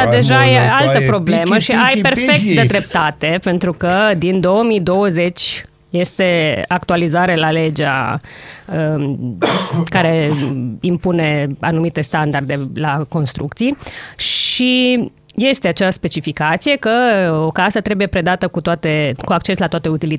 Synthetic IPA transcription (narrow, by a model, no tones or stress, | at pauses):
d̪e̞ʒajealt̪əpɾo̞ble̞məʃiajpe̞rfe̞kk̚t̪d̪ed̪ɾe̞p̚t̪at̪e̞pe̞nt̪ɾukəd̪ind̪o̞əmid̪o̞wəze̞t͡ʃʲ | je̞st̪e̞ak̚t̪ualizaɾelale̞d͡ʒa̰ | ə | kaɾe̞impune̞a̰numit̪e̞st̪and̪ard̪e̞lako̞nst̪ɾṵk̚t̪sijʃʃi | je̞st̪e̞at͡ʃeaspe̞t͡ʃifikat̪sije̞kəokasət̪ɾe̞buje̞pɾe̞d̪at̪əkut̪oat̪e̞kuak̚t͡ʃe̞slat̪oat̪e̞ut̪ili